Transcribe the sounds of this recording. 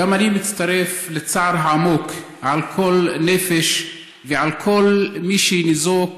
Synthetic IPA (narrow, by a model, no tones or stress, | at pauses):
amanimɪt͡st̪aɾeflet͡saʕɾʕamokʰ | ʕalkʰolnefeʃ | veʕalkʰolmiʃinizok